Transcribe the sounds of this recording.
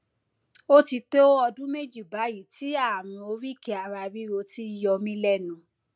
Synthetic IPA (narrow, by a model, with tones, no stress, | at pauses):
o˦ti˧to˦o˦ɔ˧dũ˦me˦d͡ʒi˦˨ba˨˦ji˨ti˨˦a˦˨mĩ˧o˧ɾi˦ke˧a˨˧ɾa˧bi˦ɾo˧ti˦jɔ˧mĩ˦lɛ˦˨nũ˨